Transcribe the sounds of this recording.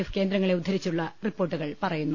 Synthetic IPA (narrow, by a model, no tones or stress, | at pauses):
eske̞ːnd̪ɾɐŋːɐɭe̞ud̪ʱːɐɾit͡ɕːuɭːɐripːo̞ːʈːuɣɐɭpɐrɐjunːu